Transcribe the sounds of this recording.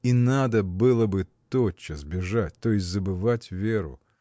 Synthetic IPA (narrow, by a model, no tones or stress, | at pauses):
inad̪əbɨlˠəbɨt̪ot͡ɕːəzbʲɪʐatʲt̪ojɪsʲtʲzəbɨvatʲvʲeɾʊ̰